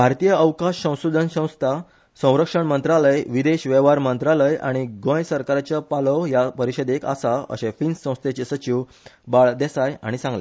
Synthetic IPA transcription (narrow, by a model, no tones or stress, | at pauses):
bʱaɾt̪ijəəwkaɕːə̃w̃sud̪ʱənsə̃w̃st̪ʰa | sə̃w̃ɾəkʂəɳmənt̪ɾaləjʋid̪eɕʋɛʋaɾmənt̪ɾaləja̰ɽ̃iɡõjsəɾkaɾat͡ɕəpalɔjapəɾiɕəd̪eka̰saə̰ɕẽfinsːə̃w̃st̪et͡ɕesət͡ɕiw | baɭd̪esaja̰ɽ̃isãŋɡlḛ